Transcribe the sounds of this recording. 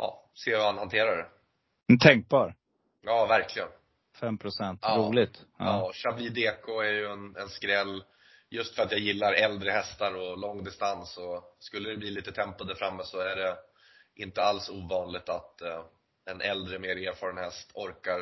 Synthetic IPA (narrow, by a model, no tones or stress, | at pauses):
ʔɑ̰ː | seːvahanhant̪ʰeːɾaɖɛ | nt̪ʰɛŋk̚bɑːɾ | jɑːvæɾklɪɡən | fɛmpʰɾʊsɛnt̪ːɾuːlɪɡt̪ɑɕabliːd̪eːkʰʊæɾjɵɛnɛnskɾɛlː | jɵst̪fœɾat̪jaːjɪlːaɾɛld̪ɾəɦɛst̪aɾɔlɔŋːd̪ɪst̪ansɔskɵlːəd̪ɛbliːliːt̪ət̪ʰɛmpad̪əfɾamːəsɔæɖɛ | ʔɪnt̪əalsuːvɑːnlɪɡ̚t̪at̪ | ɛnʔɛld̪ɾəmeːɾeːɾfɑːɾənhɛst̪ʰɔɾkaɾ